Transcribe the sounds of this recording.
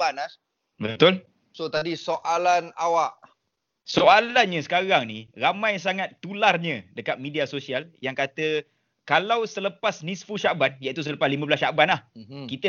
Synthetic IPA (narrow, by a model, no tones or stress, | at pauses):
ana | bət̪ʊl | sot̪adisoʔalanawaʔ | soʔalanɲə̃sə̥kaɾaŋniramãjsaŋat̪ːularɲə̃dəkat̪̚mĩdiasosialjaŋkat̪ə | kalawsələpasnisfuʃaʔban̚jaʔit̪us̬ələpaslimə̃bəlasʃaʔbanlahkit̪ə